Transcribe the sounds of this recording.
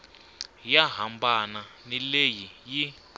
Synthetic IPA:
jaɦambananilejiji

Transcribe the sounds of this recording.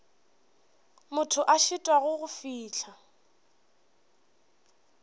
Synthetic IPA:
mʊtʰʊʔaʃɪtʼwaɣʊɣʊfiːt͡ɬʰa

